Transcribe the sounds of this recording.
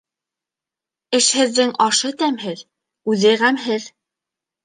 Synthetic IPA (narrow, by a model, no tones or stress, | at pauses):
ɘ̆ʃhɘ̆ðːɘŋɑʃɤt̪æmɦɘð | ʉðɘʁæmɦɘð